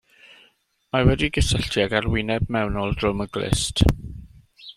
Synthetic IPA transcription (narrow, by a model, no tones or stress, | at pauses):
mawɛdiɡəsəɬtʰiaɡarwɪnɛbmɛwnɔlˠd̥rʊməɡlɪ̰st